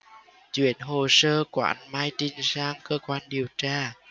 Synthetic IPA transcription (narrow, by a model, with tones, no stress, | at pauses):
t͡ɕwḭ˧˩˦ənɦo˨˩səː˧kwa̰ː˧˨˧nmaː˧jt͡ɕi˧ŋzaː˧ŋkəː˧kwaː˧nɗi˨˩əwt͡ɕaː˧